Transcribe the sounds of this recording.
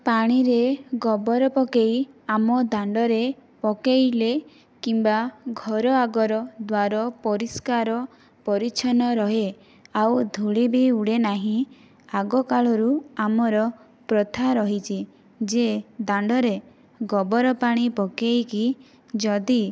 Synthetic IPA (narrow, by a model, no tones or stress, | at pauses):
paɽ̃iɾeɡɔbɔɾɔpɔkejamɔd̪aɳɖɔɾepɔkejle | kimbaɡʱɔɾɔaɡɔɾɔd̪waɾɔpɔɾiskaɾɔ | pɔɾit͡ʃʰɔnɔɾɔɦe | awd̪ʱuɭibiuɽenaɦĩ | aɡɔkaɭɔɾuamɔɾɔ | pɾɔt̪ʰaɾɔɦit͡ʃʰi | d͡ʒed̪aɳɖɔɾe | ɡɔbɔɾɔpaɽ̃ipɔkejki | d͡ʒɔd̪i